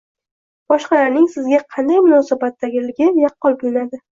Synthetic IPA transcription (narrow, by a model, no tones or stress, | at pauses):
b̥ɒʃqɑlaɾnɪŋsɪzɡʲaqʰɑnd̪ajmʊnɒsabat̪ːaɡʲɪlɪɡʲɪjɑqʰːɒlˠbʊlɪnad̪ɪ